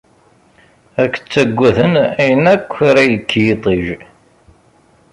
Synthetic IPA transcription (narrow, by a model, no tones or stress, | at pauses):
ækːt͡sːæɡʷːæθənæjənækʷːɾæjəkʰːjit̪ˤiʒ